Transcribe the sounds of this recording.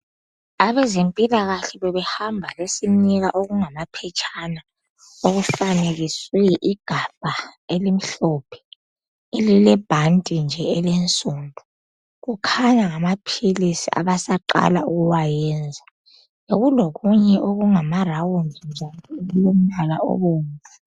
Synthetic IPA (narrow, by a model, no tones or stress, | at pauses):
aβɛzempʼilaɣaɬɛβɛβɛhambʱalesiniɣaʔoɣuŋamapʰɛt͡ʃʰʼana | oɣufaneɣisujɛʔiɡ̥ʱab̥ʱaelim̩ɬɔpʰɛ̥ | elilɛb̥ʱantʼind͡ʒʱɛːlent͡sʼuːndʱu | ɣukʰaɲaŋamapʰilisia̰βasaǃa̰lauɣuwajɛnd͡zʱa | jeɣuloɣuɲɛʔoɣuŋamarawundʱind͡ʒʱaniujom̩lalaɔ̰βoːŋa